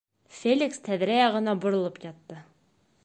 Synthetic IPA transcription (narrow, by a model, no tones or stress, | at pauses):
fʲelʲikst̪ʰæðɾæjɑʁɤ̆nɑbŏɾŏlˠɤpjɑt̪ːɤ